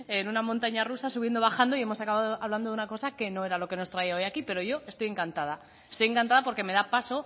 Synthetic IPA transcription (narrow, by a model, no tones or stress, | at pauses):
enunamõnt̪aɲarusasuβje̞nd̪o̞βaxand̪o̞ie̞mo̞sakaβaðoʔaβland̪ounako̞sake̞no̞e̞ɾalo̞ke̞no̞st̪ɾaiao̞jakipe̞ɾo̞ʝo̞e̞st̪o̞je̞ŋkant̪að̞a | est̪o̞je̞ŋkant̪aðapo̞ɾke̞me̞ðapaso̞